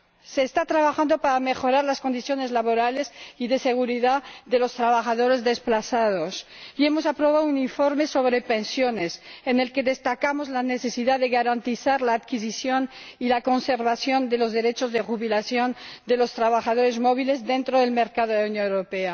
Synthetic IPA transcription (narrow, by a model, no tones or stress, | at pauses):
se̞ːst̪at̪ɾaβaxand̪o̞paɾamexo̞ɾaɾlasko̞nd̪iθjo̞ne̞zlaβo̞ɾale̞siðe̞se̞ɣ̞uɾiðaðe̞lo̞st̪ɾaβ̞axaðo̞ɾe̞zðe̞splaθað̞osie̞mo̞sapɾo̞β̞aðouniɱfo̞ɾme̞so̞βɾe̞pe̞nsjo̞ne̞sene̞lke̞ðe̞st̪akamo̞zlane̞θe̞siðaðeɣaɾant̪iθaɾlaːt̪kis̬iθjo̞nilako̞nse̞ɾβaθjo̞nd̪e̞lo̞zðe̞ɾet͡ʃo̞zðexuβilaθjo̞nd̪e̞lo̞st̪ɾaβaxaðo̞ɾe̞zmo̞βile̞zðe̞nt̪ɾoðe̞lme̞ɾkaðoðeaunjonewɾope̞a